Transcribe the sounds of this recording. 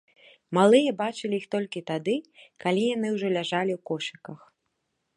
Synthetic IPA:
malˠɨjɐbat͡ʂɨlʲijixt̪ɔlʲkʲit̪ad̪ɨkalʲijan̪ɨwʐɔlʲaʐalʲiwkɔʂɐkɐx

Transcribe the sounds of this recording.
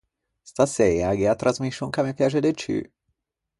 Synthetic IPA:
st̪asɛjaɡeat̪ːɾazmiʃːoŋkamekjaʒed̪et͡ʃy̰

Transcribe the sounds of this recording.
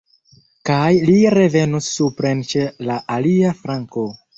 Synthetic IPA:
kajliɾe̞ve̞nusːupɾe̞nt͡ʃe̞laʔaliafɾaŋko̞

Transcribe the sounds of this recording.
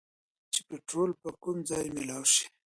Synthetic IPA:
t͡ʃe̥peʈɾolpəkʊmd͡zɑjmɪlɑwʃi̥

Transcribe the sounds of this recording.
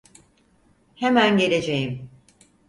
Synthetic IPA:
hemænɟe̞lʲed͡ʒejim

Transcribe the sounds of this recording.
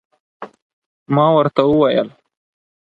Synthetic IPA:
mɑːwəɾt̪auwajəl

